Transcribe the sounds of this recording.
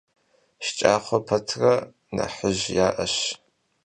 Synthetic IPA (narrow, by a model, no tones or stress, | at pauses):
ʃt͡ʃʼaːχʷɔpʰɐtʰrɐ | nɐ̰ħəʑjaːʔɐʃ